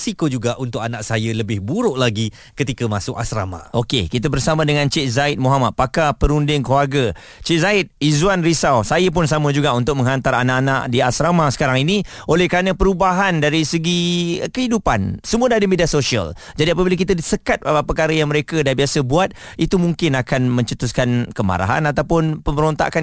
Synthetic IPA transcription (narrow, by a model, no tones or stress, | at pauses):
sikod͡ʒuɡaʔunt̪ʊk̚anaʔsajələbɪhbuɾʊʔlaɡi | kət̪ikəmasʊka̰sɾa̰ma̰ʔokḛkit̪abərsamãdəŋãnt͡ʃet̪̚zaɪt̪̚moɦamat̪̚pakapəɾundɪŋkluarɡə | t͡ʃet̪̚zaɪt̪̚izwanrisawsajəp̬ʊnsamə̃d͡ʒuɡaunt̪ʊk̚mə̃ŋɦant̪aɾanaʔanaʔdiasɾamasə̥kaɾaŋinĩolɛhkɾanə̃pəɾubaɦandaɾisəɡikəɦidupa̰nsəmũədadəmediasoʃiə̰l | d͡ʒadiap̬abilak̬it̪adisəkat̪̚əpərkaɾəjaŋməɾekadabiasəbuat̪̚ | it̪umuŋkɪnakanmə̃ɲt͡ʃət̪uskankəma̰ɾa̰ɦa̰nat̪awpʊnpəməɾont̪a̰ʔkan